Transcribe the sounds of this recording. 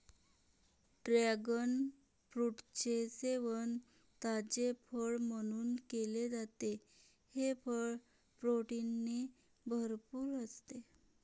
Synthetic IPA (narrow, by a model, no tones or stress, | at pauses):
ɖɾaɡən | fɾuʈt͡ɕeseʋən | t̪ad͡ʑepʰəɭməɽ̃uːnkeled͡zat̪e | hepʰəɭ | pɾoʈinːe | bʱəɾpuːɾəst̪e